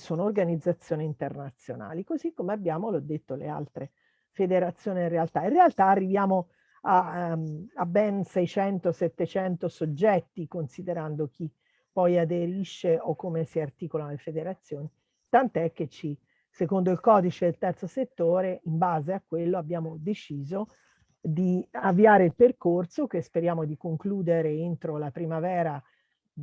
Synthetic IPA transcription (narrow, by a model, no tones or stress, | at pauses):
soːnoːrɡanid̪zːat̪sːjoːniint̪ernat̪sjona̰ːlikozikːomeabːjaːmolɔd̪ːet̪ːolḛa̰lt̪ɾe | fed̪eɾat̪sːjoːniinrealt̪aĩnrealt̪aːrːivjaːmo | a | abːɛnsɛjt͡ʃɛnt̪osɛt̪ːet͡ʃɛnt̪osod͡ʒːɛt̪ːikonsid̪eɾand̪ok̟i | pːɔjad̪eɾiʃːeʔokːomesiart̪iːkolanolefed̪eɾat̪sːjoːni | t̪ant̪oɛk̟ːet͡ʃːi | sekond̪oilkɔːd̪it͡ʃed̪elt̪ɛrt̪soset̪ːoːɾeimbaːzeakːwelːoabːjaːmod̪et͡ʃiːzo | d̪iavːiaːɾeilperkorsokespeɾjaːmod̪ikoŋkluːd̪eɾeent̪ɾolapɾimavɛːɾa